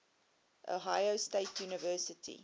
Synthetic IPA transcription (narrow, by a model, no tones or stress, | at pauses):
ʔo̰ɦaɪosteɪtʰjuːnəvɜsətʰḭ